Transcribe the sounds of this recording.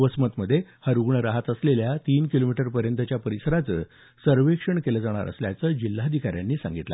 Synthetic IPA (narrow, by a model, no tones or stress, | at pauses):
ʋəsmət̪məd̪ʱːjehəɾuɡɳəɾaɦat̪əsleljat̪iːnkilomiʈəɾpəɾjənt̪ət͡ɕjapəɾisəɾat͡sə | səɾʋekʂəɳkeləd͡zaɽ̃a̰ɾʔə̰slja̰t͡səːd͡ʑilːaəd̪ʱikaɾja̰nːiːsa̰ŋɡit̪la̰